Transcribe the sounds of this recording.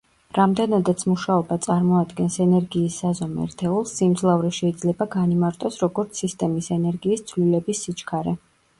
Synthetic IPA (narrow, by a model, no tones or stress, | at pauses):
ɾamd̪ɛnad̪at̪sʰmuʃaɔbat̪sʼaɾmɔad̪ɡɛnsɛnɛɾɡiːsːazɔmɛ̰ɾt̪ʰɛulˠsːimd̪zlˠavɾɛʃɛid̪zlɛbaɡanimaɾt̪ʼɔsɾɔɡɔɾt̪sʰist̪ʼɛmisɛnɛɾɡiːst̪sʰvlilɛbisːit͡ʃʰkʰaɾɛ